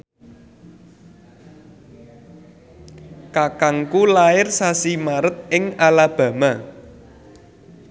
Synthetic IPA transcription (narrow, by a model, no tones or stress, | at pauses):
kakaŋkulaɪrsasimaɾət̪̚ɪŋalab̥ä̤ma